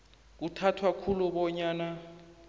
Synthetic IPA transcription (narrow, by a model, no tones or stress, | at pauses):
k̬utʰatʰwakʰuluɓɔɲaːna